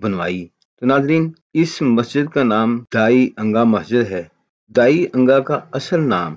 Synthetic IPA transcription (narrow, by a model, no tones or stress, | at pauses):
bɐnʋa̰ːi | t̪onaːzɾiːn | ɪsmɐsd͡ʒɪd̪̚kanaːmd̪̥aːiʔɐ̃ŋɡamɐsd͡ʒɪd̪ɦɛː | d̪aːiɐ̃ŋɡakaɐsəlnaːm